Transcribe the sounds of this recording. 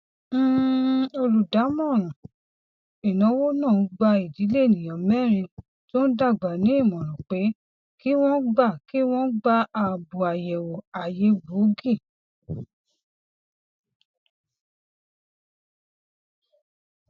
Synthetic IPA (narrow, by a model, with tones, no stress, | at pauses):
o˧lu˨da˨˦mɔ̃˦˨ɾ̃ũ˨ | i˨nã˨˦wo˦nã˦˨ũ˨˦ɡ͡ba˧i˨di˨˦le˦e˦˨nĩ˨j̃ã˨mɛ˦˨ɾ̃ĩ˧ | to˦n̩˦da˦˨ɡ͡ba˨nĩ˨˦i˦˨mɔ̃˨ɾ̃ɔ̃˨k͡pe˨˦ | ki˦w̃ɔ̃˦ɡ͡ba˦˨ki˦w̃ɔ̃˦ɡ͡ba˦a˧bu˨a˨jɛ˨wo˨a˨je˨˦bo˨˦ɡi˦˨